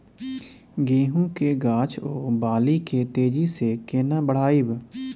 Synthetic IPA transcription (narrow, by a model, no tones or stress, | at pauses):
ɡẽːɦũkeɡaːt͡ʃʰoːbaːliket̪eːd͡ʒisekeːnaːbəɽ̤aːib